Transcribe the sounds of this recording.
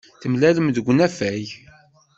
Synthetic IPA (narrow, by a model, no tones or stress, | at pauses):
θəmlæləmðəɡʷːənæfæj